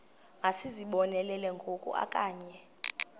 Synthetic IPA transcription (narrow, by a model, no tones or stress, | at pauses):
ŋasiziɓɔnɛlɛlɛŋɡʱokʼṵʔa̰kʼaːɲɛ